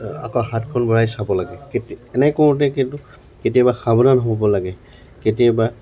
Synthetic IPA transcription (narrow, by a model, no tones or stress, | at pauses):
a̰kɔɦatkʰɔnbɔɹajsabɔlaɡɛketɛnɛkoɹt̬ɛkintʊ | ket̬ijabaxabɔdanɦobɔbɔlaɡɛ | ketijɔba